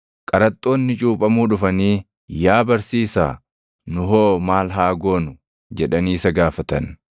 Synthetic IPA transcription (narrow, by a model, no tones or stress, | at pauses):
kʼɐɾɐt̪ʼːo̞ːnːɪt͡ʃʼuːpʼɐmuːᶑʊfɐniː | jaːbɐɾsiːsa̰ː | nʊɦoːmaːlɦaːɡo̞ːnʊ | d͡ʒɛᶑɐniːsɐɡaːfɐt̪ɐ̰n